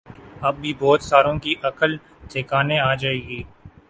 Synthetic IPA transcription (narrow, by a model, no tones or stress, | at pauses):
ɐb̚bʱibɔːt̪saːɾõkiʔɐkəl | t̪ʰeːkaːneaːd͡ʒaːeːɡiː